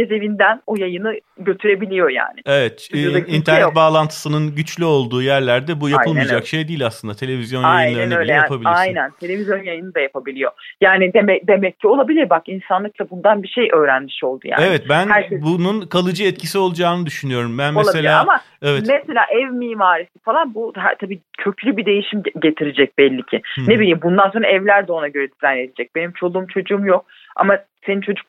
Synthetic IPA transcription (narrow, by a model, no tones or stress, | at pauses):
eze̞vind̪ænojajɯnɯɟø̞t̪ʰyɾe̞bilʲijo̞ja̰ːnɪevɛt̪int̪ʰæɾnɛt̪̬̚baːlˠant̪ʰɯ̥sɯnɯnɟyt͡ʃlʲyo̞lˠd̪uːjæɾlʲæɾd̪ɛbujaplˠmijad͡ʒakʃe̞jd̪iːlʲaslˠɯnd̪at̪ʰe̞lʲevizjo̞njajɯnˠaɾɯnɯøj̪lʲɛjapabilʲajnænt̪ʰelʲe̞vizjo̞njajɯnɯd̪ajapʰabilʲijo̞̰jaːnɪd̪emɛd̪emɛcʰːio̞lˠabilʲiɾbakinsanlˠɯklˠabund̪anbiʃejʔø̞ːɾænmiʃo̞lˠd̪ṵja̰evɛt̪̚bænhæɾbununkʰalˠɯd͡ʒɯɛt̪̚cʰisio̞lˠud͡ʒaːnɯd̪yʃynyjo̞ɾumbænmoelˠaiselaaama | evɛt̪mese̞lʲa̰ːʔɛvmiːmaːɾisi̥falˠanbuɦæ̰t̪ʰabiːcʰø̞cʰylʲybid̪e̞jiʃimɟe̞t̪ʰiɾed͡ʒɛc̚bɛlʲːicʰine̞bilʲiːmbund̪anso̞nɾaɛvlʲæɾd̪oonaɟø̞ɾɛd̪izæned̪id͡ʒɛc̚be̞nimt͡ʃʰo̞lˠuːmt͡ʃʰo̞d͡ʒuumjo̞k̚ | a̰masenint͡ʃʰo̞d͡ʒuk̚